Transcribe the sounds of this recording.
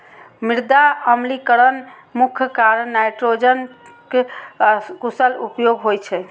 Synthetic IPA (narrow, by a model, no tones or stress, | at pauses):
miɾd̪aəmlikəɾən | mukʰkaɾːajʈɾod͡ʒənke | kusəlupjoɡɦojt͡ʃʰɛ